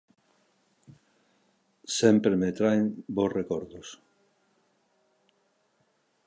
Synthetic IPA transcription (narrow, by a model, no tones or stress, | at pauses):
sempɾemet̪ɾaeŋbosrekɔɾðos